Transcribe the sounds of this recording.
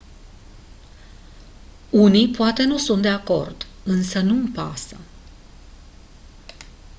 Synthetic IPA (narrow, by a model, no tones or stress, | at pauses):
unijpoat̪e̞nusunt̪̚d̪eako̞̰rd̪̥ | ɨnsənuɨmpasə